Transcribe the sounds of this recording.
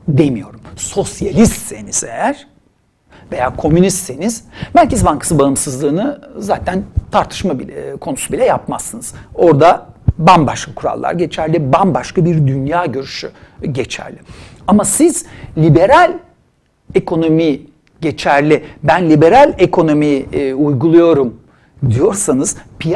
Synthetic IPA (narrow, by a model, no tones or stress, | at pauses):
d̪emijo̞ɾumso̞sjalʲist̪se̞niz̥e̞jæɾ̥ | ve̞jaːkʰo̞mynist̪se̞niz̥mælʲcezbaŋkʰḁsɯbaɯmsɯzlˠɯːnɯzaːt̪ʰænt̪ʰaɾt̪ʰɯ̥ʃmabikʰo̞nusubilʲɛjap̚masːɯnɯz̥o̞ɾd̪abanbaʃkʰakʰuɾa̰lˠːa̰ɾɟe̞t͡ʃʰæɾlʲibanbaʃkabiɾd̪ynjaːɟø̞ɾyʃyɟe̞t͡ʃʰæ̰ɾlʲɪ | amasiz̥lʲibe̞ɾalʲ | e̞kʰo̞no̞mi | ɟe̞t͡ʃʰæɾlʲɪbænlʲibe̞ɾalʲekʰo̞no̞miujɡulˠujo̞ɾum | d̪ijo̞ɾsanɯz̥pʰi